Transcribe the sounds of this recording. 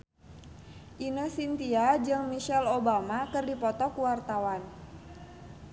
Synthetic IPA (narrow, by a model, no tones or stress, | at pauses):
ʔinəsint̪iad͡ʒɨŋmiʃɛlobamakɨrdipɔt̪ɔkuwart̪awan